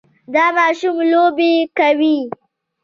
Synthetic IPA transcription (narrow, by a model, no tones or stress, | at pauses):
d̪ɑːmɑːʃumlobekawi